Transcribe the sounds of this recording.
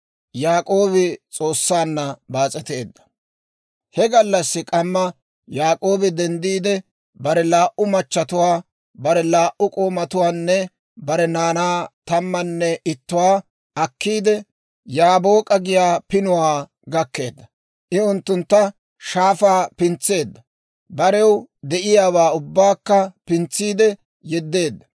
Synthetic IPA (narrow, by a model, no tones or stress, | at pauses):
jaːkʼo̞ːbɪt͡sʼo̞ːsːaːnːɐbaːt͡sʼɛt̪e̞ːd̪ːɐ̥ | hɛɡɐlːɐsːɪkʼɐmːɐ | jaːkʼo̞ːbɪd̪ɛnd̪iːd̪ɛ | bɐɾɛlaːʔʊmɐt͡ʃːɐt̪ʊwaː | bɐɾɛlaːʔʊkʼoːmɐt̪ʊwaːnːɛ | bɐɾɛnaːnaːt̪ɐmːɐnːɛʔɪt̪ːʊwaː | ʔɐkːiːd̪ɛ | jaːboːkʼɐɡɪjaːpɪnʊwaː | ɡɐkːe̞̰ːd̪ːɐ | ʔɪʊnt̪ːʊnt̪ːɐ | ʃaːfaːpɪnt͡sːe̞ːd̪ːɐ | bɐɾɛwd̪ɛʔɪjaːwaːʊbːaːkːɐpɪnt͡sːiːd̪ɛ | jɛd̪ːe̞ːd̪ːɐ